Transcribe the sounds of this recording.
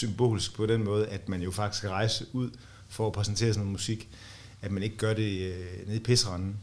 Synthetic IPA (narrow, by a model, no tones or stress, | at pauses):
symb̥o̝̰ːlisɡ̥̚pʰɒ̽d̥enmɔ̽ːð̞̩ˠʔæd̥mænjo̝fɑ̈ɡ̥d̥i̥skʰæʁɑ̈ɪsəʔuð̞̰ˠ | fɒæpʰʁɛsn̩t͡sʰe̝̰ːɐsnoːnˠmusiɡ̥ | æd̥mæne̝ɡ̥əɡ̥ɶɐɾe̝ne̝ðˠipʰe̝səʁɑnn̩